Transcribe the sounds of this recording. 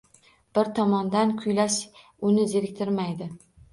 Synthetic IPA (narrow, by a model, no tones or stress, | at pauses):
b̥ɪɾt̪ʰɒmɒnd̪ankʲʰʊjlaʃ | ʊnɪzeɾɪk̚ʲt̪ʰɪɾmajd̪ɪ